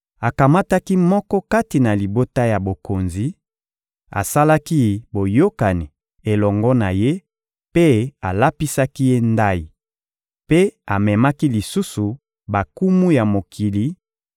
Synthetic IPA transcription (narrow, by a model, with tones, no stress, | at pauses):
a˨ka˨ma˦ta˦ki˦mɔ˦kɔ˦ka˦ti˨na˨li˨bo˦ta˦ja˨bo˨ko˨nzi˦ | a̰˨sa˦la˦ki˦bo˨jo˦ka˨ni˨ | e˨lɔ˨ŋɡɔ˦na˨je˦ | pe˦a˨la˦pi˦sa˦ki˦je˦nda˦i˨ | pe˦a˨mɛ˨ma˦ki˦li˨su˦su˨ | ba˨ku˦mu˦ja˨mo˨kʰi˨li˨